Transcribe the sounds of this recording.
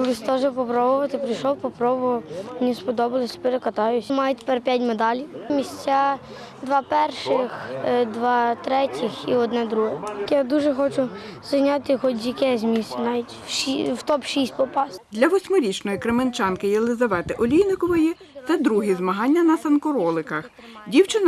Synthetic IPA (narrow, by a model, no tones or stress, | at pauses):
lˠɪst̪ɔʒɛpɔpɾɔbʊʋɐt̪ɪpɾɪjʃɔwpɔpɾɔbʊʋɐmnʲispɔd̪ɔbɪlˠɪsʲɐ̥peɾekɐt̪ɑjʊsʲmɑjʊt̪ʲe̥pɛrpʲjatʲmed̪ɑlʲiwmʲisʲt͡sʲa | d̪ʋɑpɛrʃɪxd̪ʋɑt̪ɾɛtʲixiɔd̪nɛd̪ɾuɦɛjad̪uʒɛxɔt͡ʃʊz̥ɐjnʲɑt̪ɪxɔt̪ʲjɐkɛzʲmʲisʲnɑʋʲitʲʃiwt̪ɔpʃisʲt̚ʲpɔpɑsd̪lʲɐʋɔsʲmʊɾʲit͡ʃnɔjikɾement͡ʃɑnkɪjelˠɪzɐʋɛt̪ɪʔɔlʲijnɪkɔʋɔji | t̪sɛd̪ɾuɦizmɐɦɑnʲːɐnɐsɐnkɔɾɔlˠɪkɐx | dʲiwt͡ʃɪn